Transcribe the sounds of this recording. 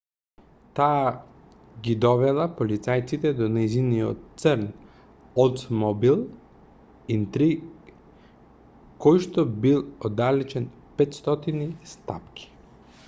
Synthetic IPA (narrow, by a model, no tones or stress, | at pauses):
t̪aː | ɡid̪ɔvɛlˠapolit̪sajt̪sit̪ɛd̪ɔnɛjziniot̪səɾn | ɔt̪mɔbilˠ | int̪ɾi | kɔjʃt̪obilˠod̪alɛt͡ʃɛn | pɛt̪st̪ɔt̪inist̪a̰pkʲʰi̥